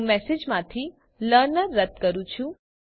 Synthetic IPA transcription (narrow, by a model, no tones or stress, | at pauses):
mɛsed͡ʒmãt̪ʰi | ləɾnəɾːəd̪kəɾũt͡ʃʰũ